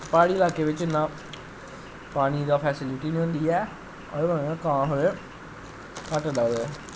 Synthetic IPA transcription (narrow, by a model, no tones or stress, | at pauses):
paːɽiːɪlaːkeːʋɪt͡ʃɪnːãː | paːɽ̃iːd̪aːpʰɛːsɪlɪʈiːniːɦõːnd̪iːɛː | ɾãkãːɦoeː | kaʈəɖ̪aːɦoɛː